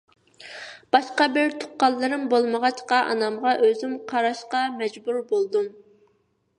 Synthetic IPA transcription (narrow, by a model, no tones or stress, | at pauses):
b̥ɑʃqɑbɪɾt̪ʰʊ̥qːɑlˠːɨɾɨmbolˠməʁɑt͡ʃqɑʔɑ̰nɑmʁɑʔøzymqʰɑɾɑʃqɑmɛd͡ʒbuɾbolˠd̪um